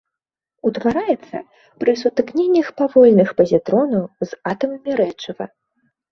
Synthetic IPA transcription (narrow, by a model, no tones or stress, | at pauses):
ut̪vaɾajɛt̪sːɐ̰ | pɾɨsut̪ɨknʲenʲːɐxpavɔlʲnɨxpɐzʲit̪ɾɔnɐwzat̪ɐmɐmʲiɾɛt͡ʂɐvɐ̰